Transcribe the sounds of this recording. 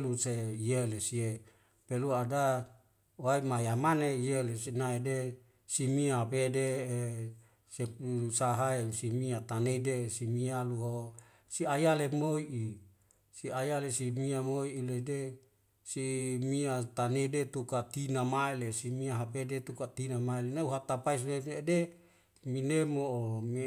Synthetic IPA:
luseijelesie | peluada | waimajamaneijelesinaede | simiaɦapede | sepusaɦaesimiat̪aneidesimialuɦo | siajalemoiʔi | siajalesimiamoiʔːlede | simiat̪anedet̪ukat̪inamaelesimiaɦapedet̪ukat̪inamaelenauɦat̪apais̬nede | minemoom

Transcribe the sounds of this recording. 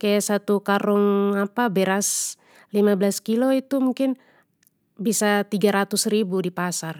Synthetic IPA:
kajasat̪ukaɾɔŋapabɛɾas | limablaskilɔit̪umuŋkɪn | bisat̪iɡaɾat̪usɾibudipasar

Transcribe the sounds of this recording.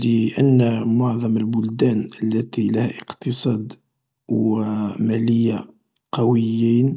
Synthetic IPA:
ləʔənːmʊʕðˤɑməlbʊld̪ænəlːæt̪ilæhæʔəqt̪əsˤɑd̪ | wmæləjːa | qɑwəjːin

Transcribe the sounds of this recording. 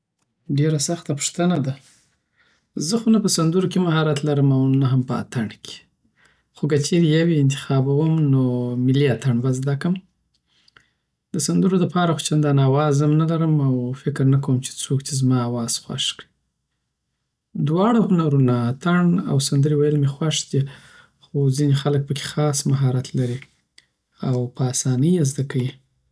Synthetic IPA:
ɖeɾasaxt̪apʊ̥ʂt̪ənad̪a | zəhunapəsand̪əɾokemahɑɾat̪laɾəmawnaɦampəa̰t̪aɳkʰe̥ | xok̬ət͡ʃeɾejaweɪnt̪̬ɪ̥xɑbawəmnomɪliat̪aɳbazd̪akəm | d̪əsand̪əɾoləpɑɾaxo̥t͡ʃand̪anɑwɑzəmnalaɾəmawfɪkɾnak̬awəmt͡ʃe̥t͡sokt͡ʃezmɑawɑz̥xwa̰ʃki | d̪wɑɽahʊnaɾunat̪aɳa̰wsand̪əɾewajəlmexwaʂd̪i | xozinexalək̚pəkʰe̥xɑsmaɦɑɾat̪laɾi | awpəɑsɑnəjazd̪akawi

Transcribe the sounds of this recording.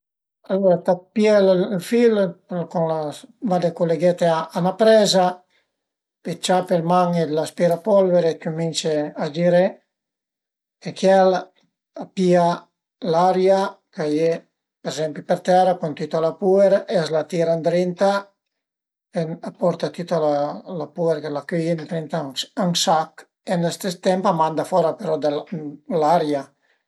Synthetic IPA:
alːoɾat̪apjɛllfilkunlavad̪ekoleɡɛt̪eaːnapɾɛza | pet͡ʃapelmaŋed̪laspeɾapɔlveɾekumint͡ʃead͡ʒiɾe | ekjɛl | apia | laɾjakaje | peɾezɛmplipeɾt̪ɛrakunt̪yt̪alapueɾʔɛzlat̪iɾand̪ɾint̪a | eapɔɾt̪at̪yt̪alalapueɾkelakyjent̪ɾint̪aaŋsak | enest̪est̪ɛmpamand̪afɔɾapeɾɔd̪laɾja

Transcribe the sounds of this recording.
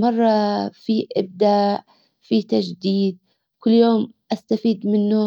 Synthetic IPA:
mɑrˤːɑfiːʔɪb̚d̪aːʔ | fiːt̪ad͡ʒd̪iːd̪̚ | kʊlːjoːmʔast̪afiːd̪mɪnːʊ

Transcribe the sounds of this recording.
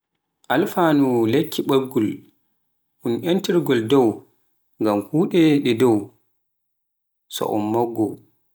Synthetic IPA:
ʔalfaːnulekʰːiɓaɾɡul | ʔunʔantiɾɡɔldɔw | ŋɡamhuːɗɛɗɛdɔw | sɔ̰ʔɔ̰mːɔɡːɔ

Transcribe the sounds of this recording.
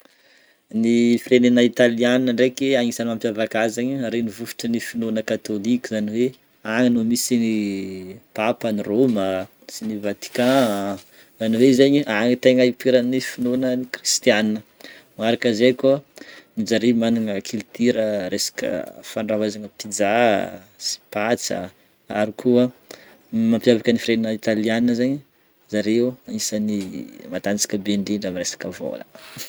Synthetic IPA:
nifirenenait̪alianinəɳɖ͡ʐekeaŋisanampʲjavakazaɲiɾenivufi̥ʈ͡ʂənifinonəkat̪olikʲuzaniwe | aŋinomisini | papəniromə | sinivat̪i̥kã | zaniwezeɲiaŋit̪eŋaipiɾanifinonənikrist̪ianinəmaɾakəzekonid͡ʒaɾimanuŋəkʰilt̪iɾəɾesḁkə̰faɳravazanəpid͡za | si̥pat͡sə̰ | aɾikʰuə | mampjavakənifiɾeninəit̪alianinəzaɲi | zaɾeuanisanimat̪ant͡si̥kʲəbeɳɖ͡ʐiɳɖ͡ʐamiɾesḁkəvo̰lə̰

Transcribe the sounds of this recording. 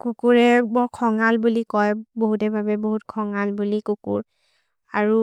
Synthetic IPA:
kukuɹɛbɔkʰɔŋalbulikɔjboɦutɛbʱabɛboɦut̚kʰɔŋalbulikukṵɹ | aɹu

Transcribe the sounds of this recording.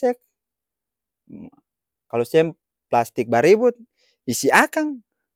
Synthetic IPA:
ɛk̚ | kalɔsɛm | plast̪ik̚baɾibut̪̚ | isiakaŋ

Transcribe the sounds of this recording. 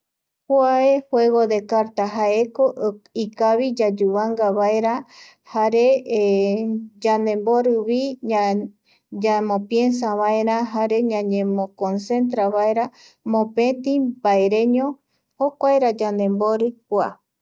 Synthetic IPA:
huaehweɣod̪e̞kaɾt̪aɦaekoikaβid͡ʒad͡ʒuβaŋɡaβaeɾa | haɾe | d͡ʒand̪ẽ̞mboɾɨβi | d͡ʒamõpje̞ns̬aβaeɾãɦaɾe̞ɲãɲẽmõkonse̞nt̪ɾaβaeɾa | mõpẽt̪ibaeɾẽ̞ɲõ | hokʷaeɾad͡ʒand̪ẽ̞mboɾɨkʷa̰

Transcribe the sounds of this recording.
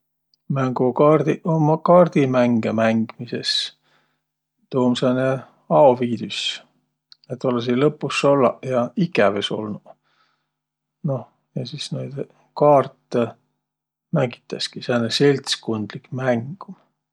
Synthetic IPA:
mæŋɡ̥ukɑrd̪̥iomɑkɑːrd̪̥imæŋɡemæŋɡ̥mises | t̪oːmsene | ɑoviːd̪̥ys | et̪ːˑo̞les̬ilɤpːˑusolːɑ̰jɑikæveso̞̰lnu̥ | no̞ | jɑsisnejd̪̥ | kɑːrt̪ːe | mæŋɡ̥i̥t̪ːˑɑskisenese̞lʲt̪skond̪̥likmæŋɡ̥u

